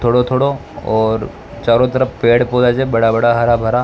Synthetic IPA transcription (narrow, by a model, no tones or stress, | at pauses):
t̪ʰoːɽot̪ʰoːɽo | ɔːɾ | t͡ʃaːɾot̪əɾəfpeːɽpoːlad͡ʒebɐɽabəɽaɦəɾabʱəɾa